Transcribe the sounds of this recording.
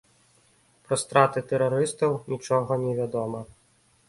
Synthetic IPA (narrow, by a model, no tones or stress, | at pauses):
pɾɐst̪ɾat̪ɨt̪ɛɾaɾɨst̪ɐwnʲit͡ʂɔɣɐnʲɛvʲad̪ɔmɐ